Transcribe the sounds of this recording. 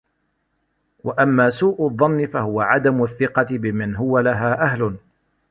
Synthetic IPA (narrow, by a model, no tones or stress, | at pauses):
waʔamːaːsuːʔʊðˤːɑnːɪfahʊwaʕad̪amʊθːɪqɑt̪ɪbɪmanɦʊwalaɦaːʔaɦlʊ